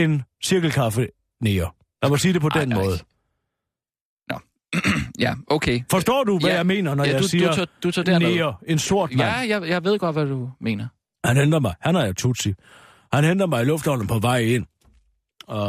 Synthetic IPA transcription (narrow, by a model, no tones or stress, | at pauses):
e̝nsiɐɡ̥l̩kʰɑ̈fə | neːo | jɑɪmosiːd̥e̝pʰɒ̽d̥enmɔːðˠ | n | jæʔoʊkʰefɒ̽sd̥ɔ̰ːd̥uʋæjɑ̈ɪme̝̰ːnɐnɒjasiːɐd̥ut͡sʰodeneɐe̝nso̝ɐ̰dmæjɑ̈jɑ̈ɪʋe̝ð̞̰ˠɡ̥ɒ̽d̥ʋæd̥ume̝̰ːnɐ | hænhend̥ɐmɑ̈ɪhænhɑ̈jat͡sʰut͡sʰi | hænhen̰d̥ɐmɑ̈ɪilɔ̽fd̥hɒl̰n̩pʰɒ̽ʋɑ̈ɪ̰e̝n̰ | ɒ